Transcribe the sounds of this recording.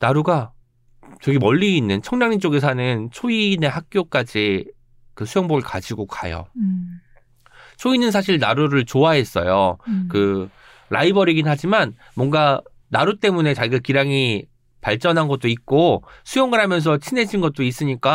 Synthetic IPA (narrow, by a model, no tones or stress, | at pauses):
naɾuɡa | t͡ɕeɡimʌʎːiːnːɯnt͡ɕʰʌŋɲaŋint͡ɕ͈oɡes̬ʰanɯnt͡ɕʰoine̞hak̚k͈jok͈ad͡ʑi | kɯsʰujoŋboɾɯɭka̰d͡ʑiɡokʰa̰jo̰ | t͡ɕʰoinɯnsʰaɕ̬ʰiɭnaɾuɾɯɭt͡ɕoaɦe̞s͈ʌ̰jo̰kɯ | ɾʔa̰ibʌɾiɡinɦad͡ʑiman | mʌŋɡa | naɾut͈e̞mune̞t͡ɕaɡɯkiɾaŋi | paɭt͡ɕ͈ʌnɦanɡʌt̚t͈oit̚k͈osʰujʌŋɯɾɦamjʌns̬ʰʌt͡ɕʰine̞d͡ʑinɡʌt̚t͈ois͈ɯɲik͈a